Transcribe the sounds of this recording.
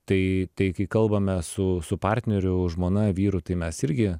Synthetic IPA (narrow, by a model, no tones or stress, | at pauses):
t̪ɐɪt̪ɐɪkɐɪkɐlˠbɐmʲɛsʊsʊpɑrʲt̪ʲnʲɛɾʲʊʒmoːnɐʋʲiːɾʊt̪ɐɪmʲɛsɪɾʲɡʲɪ